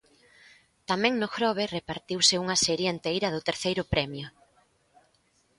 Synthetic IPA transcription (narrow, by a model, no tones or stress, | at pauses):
t̪amɛ̃ŋnʊxɾɔβɪrepaɾt̪iwsɪuŋɐsɛɾjɐent̪ejɾɐðʊt̪eɾθejɾʊpɾɛmjʊ